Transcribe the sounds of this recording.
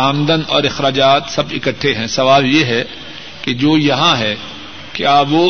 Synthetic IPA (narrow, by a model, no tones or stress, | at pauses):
aːmd̪ənɔːɾɪxɾaːd͡ʒaːt̪sɐbɪkəʈʰːeɦɛ̃sɐʋaːljeɦɛ | ked͡ʒoːjɐɦãɦɛ | keaːʋoː